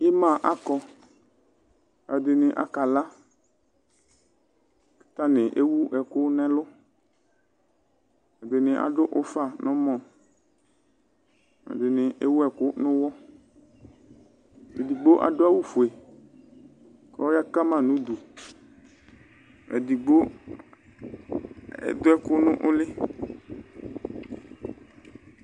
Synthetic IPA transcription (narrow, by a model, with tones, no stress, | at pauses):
ɪ˦mã˦˨ʔa˦kɔ˦ | a˨dɪ˨nɪ˨ʔa̰˦ka˨la˦ | kɪ̥˦ta˦nɪ˨ʔe˦wu˦ɛ˨kʊ˦nɛ˦lʊ˦ | a˨dɪ˨nɪ˨ʔa̰˨dʊ˦ʔʊ˦fa˨nɔ̃˦mɔ˨ | a̰˨dɪ˨nɪ˨ʔe˦wu˦ɛ˨kʊ˦nʊ̃˦wɔ˦ | ḛ˨di˨ɡ͡bo˦ʔa̰˨dʊ˦a˦wu˦fʊ˨e˨ | kɔ˦ja˦ka˦mã˦˨nʊ̃˦d̪u˨ | ɛ̰˨di˨ɡ͡bo˦ | ɛ̰˨d̪ʊ˦ɛ˦kʊ˦nʊ̃˦ʔʊ˦lɪ˦